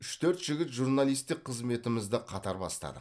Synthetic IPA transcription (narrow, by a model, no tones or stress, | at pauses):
ʏʃt̪ʰɵɾt̪ʒ̥ɪɡʲɪt̪ʒuɾnalˠijst̪ɪk̚qːʰəzme̞t̪ɪmɪzd̪ɪqʰɑt̪ɑɾbɑst̪ɑ̰d̪ə̰